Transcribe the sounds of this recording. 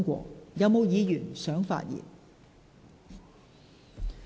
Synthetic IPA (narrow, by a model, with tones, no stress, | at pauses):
ŋkʷɔ̰ː˧jɐ˨˧wmo˨˧wjiː˨˧jyː˨˩nsœː˨˥ŋfa̰ː˧t̚jḭː˨˩n